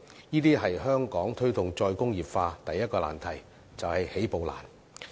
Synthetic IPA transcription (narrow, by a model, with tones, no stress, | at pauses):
niː˥t̪iː˥ɦɐ˨jɦœː˥ŋkɔː˨˥ŋt̪ʰɵ˥ɥt̪ʊ˨ŋt͡sɔː˧jkʊ˥ŋjiː˨˩p̚faː˧t̪ɐ˨jːɐ˥t̚kɔː˧la̰ː˨˩nt̪ʰɐ˨˩j | t͡sɐ˨whɐ˨jhe˨˥jpo˨˧wla̰ː˨˩n